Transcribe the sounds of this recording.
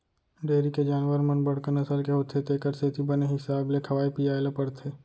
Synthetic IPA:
ɖeːɾiked͡ʒaːnʋəɾmənbɐɽ̤kəɾnɐsəlkeɦot̪ʰet̪ekəɾseːt̪ʰibɐneɦɪsaːblekʰɐʋaːipijaːelepɐɽt̪ʰeː

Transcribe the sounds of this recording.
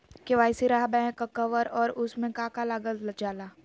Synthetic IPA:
keʋaːɪsiɾaɦbɛ̃kakɐʋəɾɔːɾʊsmẽkãːkalaːɡəld͡ʒaːlaː

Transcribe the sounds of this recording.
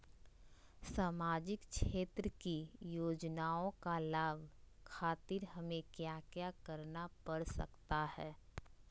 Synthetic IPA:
saːmaːd͡ʒɪkkʰʃeːt̪ɾəkijoːd͡ʒnaːõkalaːbkʰaːt̪ɪɾɦɐmẽkjaːkjaːkɐɾnapɐɽsɐ̰kt̪ahɛː

